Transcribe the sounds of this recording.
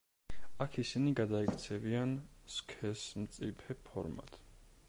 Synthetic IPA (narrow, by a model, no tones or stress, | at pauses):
akʰisiniɡad̪aikʰt̪sʰɛvianskʰɛsmt̪sʼipʰɛpʰɔɾma̰t̪ʰʼ